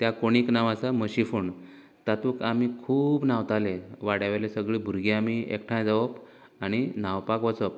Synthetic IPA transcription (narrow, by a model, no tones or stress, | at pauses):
t̪jakoɽ̃iknaʋãsaməɕifuɳ | t̪at̪uːkamikʰuːbnawt̪aleʋaɽjaʋalesəɡɭiːbʱuɾɡeamiḛkʈʰãjd͡zaʋəp | añinawpakʋət͡səp̚